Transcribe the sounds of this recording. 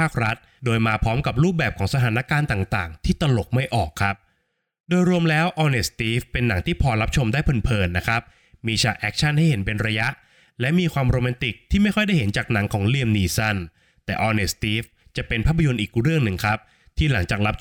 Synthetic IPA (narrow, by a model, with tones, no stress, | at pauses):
aː˥˩k̚ɾa˦˥t̪̚doː˧jmaː˧pʰɔː˦˥mka˨˩p̬̚ɾuː˥˩p̚bɛː˨˩p̚kʰɔː˩˦ŋsa˧t̪ʰaː˩˦na˦˥kaː˧nt̪aː˨˩ŋt̪a̰ː˨˩ŋt̪ʰiː˥˩t̪a˧lo˨˩k̚ma˥˩jʔɔ̰ː˨˩kʰːa˦˥p̚ | doː˧jɾu˧əmlɛː˦˥wʔɔː˧ne˨˩st̪iː˦˥fpe˧nːa˩˦ŋt̪ʰiː˥˩pʰɔː˧la˦˥p̚t͡ɕʰo˧mdaː˥˩pʰɤː˨˦npʰɤː˨˧nːa˦˥kʰɾa˦˥p̚ | miː˧t͡ɕʰa˨˩ʔɛː˦˥k̚t͡ɕʰa˥˩nha˥˩jhe˩˦npe˧nɾa˧ja˦˥ʔ | lɛ˦˥miː˧kʰwaː˧mɾoː˧mɛː˧nt̪i˨˩k̚t̪ʰiː˥˩ma˥˩jkɔ˥˩jda˥˩jɦe˩˦nt͡ɕaː˨˩k̚na˩˦ŋkʰɔː˩˦ŋli˧əmniː˧sa˥˩n | t̪ɛː˨˩ʔɔː˧ne˨˩st̪iː˦˥f | t͡ɕa˨˩ʔpe˧npʰa˥˩pʰːa˧jo˧nʔiː˨˩k̚ɾɯ˥˩əŋnɯ˨˧ŋkʰɾa˦˥p̚ | t̪ʰiː˥˩la˩˦ŋt͡ɕaː˨˩k̚ɾa˦˥p̚